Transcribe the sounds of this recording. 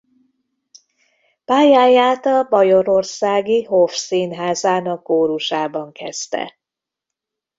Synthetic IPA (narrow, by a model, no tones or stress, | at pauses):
paːjaːjaːt̪ɒbɒjo̞ɾo̞rsaːɡiɦo̞fsiːnɦaːzaːnɒkːoːɾuʃaːbɒŋkʰɛst̪ɛ̰